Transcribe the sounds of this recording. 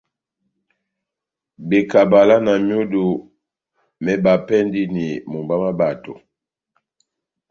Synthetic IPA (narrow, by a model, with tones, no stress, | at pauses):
be˨ka˨ba˨la˦na˨mjo˦du˨ | mɛ˨ba˨pɛ˦ndi˦ni˨mu˨ba˦ma˦ba˨to˨